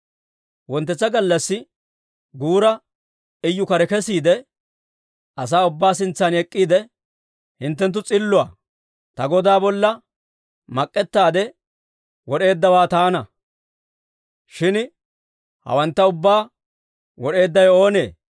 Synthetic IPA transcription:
wɔnt̪ːɛt͡sːɐɡɐlːɐsːɪ | ɡuːɾɐ | ɪjːʊkɐɾɛkɛsiːd̪ɛ | ʔɐsaːʊbːaːsɪnt͡sːanɛkʼːiːd̪ɛ | hɪnt̪ːɛnt̪ːʊt͡sʼɪlːʊa̰ː | t̪ɐɡɔd̪aːbɔlːɐ | mɐkʼːɛt̪ːaːd̪ɛ | wɔɗe̞ːd̪ːɐwaːt̪aːnɐ | ʃɪn | hɐ̰wɐnt̪ːɐʊbːaː | wɔɗe̞ːd̪ːɐjo̞ːne̞ː

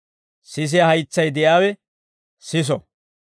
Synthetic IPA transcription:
sɪs̬ɪjahɐjt͡sːɐjd̪ɛjaːwɛ | sɪs̬ɔ

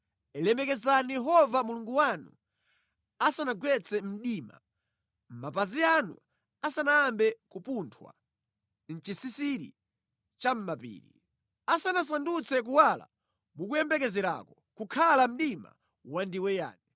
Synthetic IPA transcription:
ɛlɛmɛkɛzanijɛɦɔvamuluŋɡuwanṵ | asanaɡwɛt͡sɛm̩ɗiːma̰ | m̩mapazianṵ | asanaːmbɛkupuntʰwa̰ | n̩t͡ʃisisiɾḭ | t͡ʃam̩mapḭːɾḭ | asanas̬andut͡sɛk̬uwala̰ | mukujɛmbɛkɛzɛɾa̰kɔ | kukʰalam̩ɗima̰ | wandiwɛja̰ːnɛ

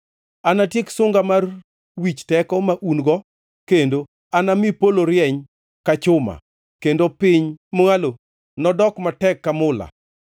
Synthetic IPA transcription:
anatjeksʊŋɡamar | wit͡ʃtɛkɔmaʔunɡɔ | kendo | anamipoloɾjɛɲ | kat͡ʃʊma̰ | kendopɪɲmoŋalo | nɔdɔkmatɛkːamʊla̰

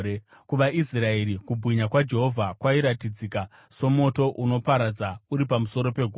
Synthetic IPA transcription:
kuʋaʔisrae̞ɾikubʱwiɲakwad͡ʒe̞ɦo̞vʱakwaiɾatid͡zika | so̞mo̞to̞ʔuno̞paɾad͡zauɾipamuso̞ɾo̞pe̞ɡʱ

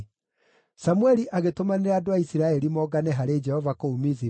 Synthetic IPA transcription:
samwɛɾiʔaɣetomaneɾaːdoaisiɾaɛɾimɔːɡanɛɦaɾed͡ʒɛhɔvakoumizi

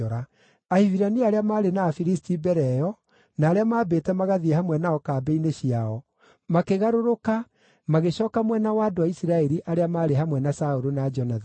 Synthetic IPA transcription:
ɔɾa | aiviɾaniaːɾeamaːɾenaːfiɾistibɛɾɛjɔ | naːɾeamaːbeːtɛmaɣaðiehamwɛnaɔkaːbɛineɕiaɔ | makeɣaɾoɾoka | maɣeɕɔːkamwɛnawaːdoaisiɾaɛɾiʔaɾeamaːɾeɦhamwɛnasaoɾonad͡ʒɔnað

